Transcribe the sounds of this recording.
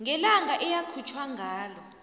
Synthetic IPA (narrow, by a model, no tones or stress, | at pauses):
ŋɡʱɛlaŋʱaʔɛjakʰut͡ʃʰwaŋʱaːlɔ